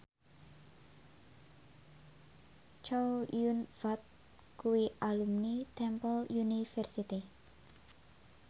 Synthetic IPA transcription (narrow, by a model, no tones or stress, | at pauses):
t͡ʃawjunvat̪̚ | kuwiʔalumnit̪ɛmpəljunifɛrsit̪i